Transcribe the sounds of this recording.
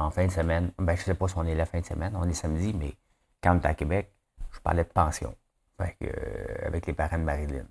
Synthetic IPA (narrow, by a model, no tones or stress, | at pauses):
ɑ̃fɛ̃d̪əsəmɛnbɛ̃ʒəsɛpɔsiɔ̃nɛlafɛ̃d̪əsə̰mʔɛnɔ̃nɛsamd͡zimɛ | kãnet̪akʲebɛk̚ | ʒ̥əpa̰ʁlɛd̪̚əpɑ̃sjɔ̰̃ | fakø̰a̰vɛklepaʁɑ̃d̪əmaʁilɪ̰n